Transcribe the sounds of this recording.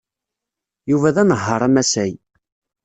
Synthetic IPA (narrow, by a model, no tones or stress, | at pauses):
juvæðænəɦːəɾˤæmæsæj